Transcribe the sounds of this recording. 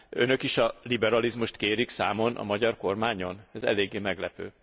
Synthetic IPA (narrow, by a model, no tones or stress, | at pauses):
ø̰nø̞kiʃɒlibɛɾɒlizmuʃt̪keːɾiksaːmo̞nʔɒ̰mɒɟɒrko̞rmaːɲo̞nɛzɛ̰leːɡːeːmɛɡlɛpø̰ː